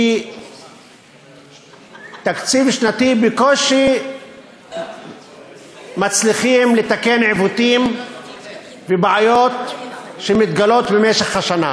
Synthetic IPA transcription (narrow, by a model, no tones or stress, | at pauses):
t̪akt͡sivʃnat̪ibekoʃi | mat͡sliχimlet̪akenʕevut̪im | vebʕajot̪ʃemit̪ɡalot̪bemeʃeχhaʃana̰